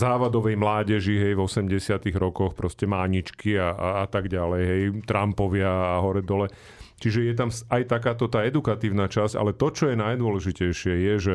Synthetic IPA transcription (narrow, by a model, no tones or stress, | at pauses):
zaːʋad̪ɔʋɛjmlaːɟɛʒiɦɛjvɔsɛmɟɛsɪat̪iɣɾɔkɔxpɾɔscɛmaːɲit͡ʃkiaʔaːt̪aɡɟalɛjɦɛjt̪ɾampɔʋɪaːɦɔɾɛd̪ɔlɛ | t͡ʃiʒɛjɛt̪̬amsajt̪akaːt̪ɔt̪aːɛd̪ukat̪iːʊnat͡ʃasca̰lɛt̪ɔt͡ʃɔjɛnajd̪ʊɔlɛʒicɛjʃɪɛjɛʒɛ